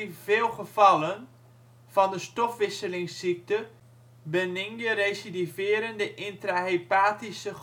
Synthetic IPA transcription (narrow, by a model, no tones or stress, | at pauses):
ivɪːlˠχəv̥ɑlən | fɑndəstɔfʋɪsəlɪŋsik̚tə | bənɪŋjəɾejsidivɪəɾəndəʔintraɦepaːtisə